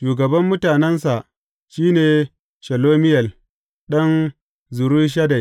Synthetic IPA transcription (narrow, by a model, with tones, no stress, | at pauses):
ʃuː˨ɡɐ˨bɐ˦mːʊ˦taː˨nɛ˦nsa˨ʔ | ʃiː˦neː˨ | ʃɐ˨loː˦mɪ˦jɐ˨l | ɗɐ˦n | zʊ˨ɾu˦ʃ̬ɐ˦da˨